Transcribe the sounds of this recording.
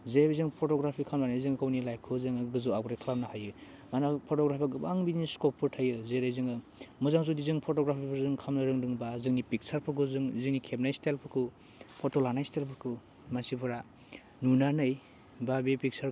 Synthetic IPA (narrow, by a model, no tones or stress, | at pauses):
zebizɯŋpʰɔtɔɡɾapʰikʰamlanajzɯŋkawnilajp̚kʰɯzɯŋɯɡɯzuaɡɾakʰlamnahajɯ | manapʰɔtɔɡɾapʰaɡɯbaŋbiniskɔpʰːɯɾtʰajɯzeɾɯjzɯŋɯ | mɯzaŋs̬udizɯŋpʰɔtɔɡɾapʰipʰɯɾzɯŋkʰamnɯɾɯŋdɯŋbazɯŋnipik̚saɾpʰɯɾkʰɯzɯŋzɯŋnikʰepnajstelpʰɯɾkʰɯ | pʰɔtolanajstelpʰɯɾkʰɯ | mansipʰɯɾa | nunanɯj | babepik̚saɾ